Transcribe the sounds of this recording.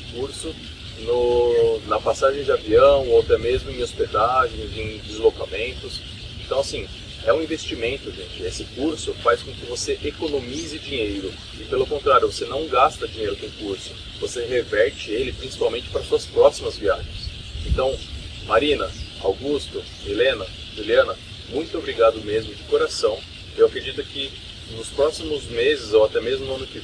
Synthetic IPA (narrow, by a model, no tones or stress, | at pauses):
kuɾsʊ | nʊnɐpasaʒẽj̃d͡ʒɪaviɐ̃w̃oat̪ɛmezmʊẽj̃osped̪aʒẽj̃zẽj̃d͡ʒɪzlokamẽnt̪ʊs | ẽt̪ɐ̃w̃asĩ | ɛũĩvest͡ʃimẽnt̪ʊʒẽnt͡ʃɪesɪkuɾsʊfajskõkɪvoseʔekonõmizɪd͡ʒĩɲejɾʊ | ɪpelʊkõnt̪ɾaɾjʊvosenɐ̃w̃ɡast̪ɐd͡ʒĩɲejɾʊp̪ẽkuɾsʊ̥ | voseɦevɛɾt͡ʃɪelɪpɾĩsi̥pawmẽnt͡ʃɪ̥pɾɐsuɐspɾɔsimɐzviaʒẽs | ḛ̃nt̪ɐ̃w̃maɾinɐ | a̰wɡust̪ʊ | milẽnɐ | ʒiliɐ̃nɐ | mũj̃t̪ʊobɾiɡad̪ʊmezmʊd͡ʒɪkoɾasɐ̃w̃ | ewakɾed͡ʒit̪ʊkɪ | nʊspɾɔsimʊzmezɪzowat̪ɛmezmʊnʊɐ̃nʊkɪ